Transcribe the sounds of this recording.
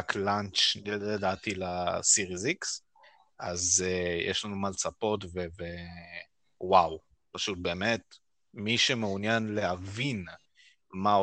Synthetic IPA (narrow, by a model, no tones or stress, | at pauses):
klant͡ʃedat̪ilasiʁiziks | a̰zejʔḛʃlanumalt͡sapo̞tveve | waw | paʃut̚beːmet | miʃemeunjanlehavin | mao